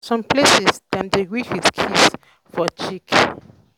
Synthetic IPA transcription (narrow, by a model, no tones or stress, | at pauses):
sɔ̃mplesisdɛ̃mdeɡihidkʰis | fɔt͡ʃik